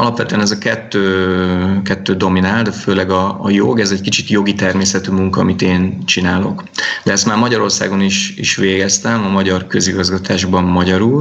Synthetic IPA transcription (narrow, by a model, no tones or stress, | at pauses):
ɒlɒpʋɛt̪ø̟ɛnɛzɒkɛt̪ːøː | kɛt̪ːøːd̪o̞minaːld̪føːlɛɡɒːjo̰ɡɛzɛckit͡ʃit̪jo̞ɡit̪ɛrmeːsɛt̪yːmuŋkɒːmit̪eːnt͡ʃinaːlo̞̰k | d̪ɛɛst̪maːrmɒɟɒɾo̞rsa̰ːɡo̞niʃḭʃʋeːɡɛst̪ɛmɒmɒɟɒrkø̞ziɡɒzɡɒt̪ʰaːʒbɒmmɒɟɒɾul